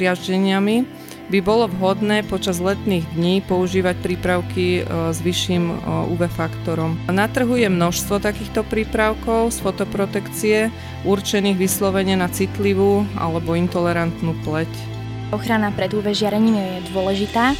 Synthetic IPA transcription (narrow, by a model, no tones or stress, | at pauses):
ɪaʒɟɛɲɪami | bibɔlɔʋɦɔd̪nɛːpɔt͡ʃazlɛt̪niːɣd̪ɲiːpɔuʒiːʋac̚pɾiːpɾaʊkizʋiʃːiːmṵʋɛfakt̪ɔɾɔmnat̪r̩ɦujɛmnɔʃst̪ʋɔt̪akiːxt̪ɔpɾiːpɾaʊkɔʊsfɔt̪ɔpɾɔt̪ɛkt͡siɛ | ʔuɾt͡ʃɛniːɣʋislɔʋɛɲɪɛnat͡sit̪liʋuːʔa̰lɛbɔint̪ɔlɛɾant̪nuːplɛc | ɔxɾanapɾɛd̪uːʋɛʒɪaɾɛɲiːmjɛd̪ʊɔlɛʒit̪aː